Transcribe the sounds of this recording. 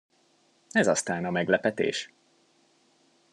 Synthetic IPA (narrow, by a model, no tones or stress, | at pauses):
ɛzɒst̪aːnɒmɛɡlɛpɛt̪ḛːʃ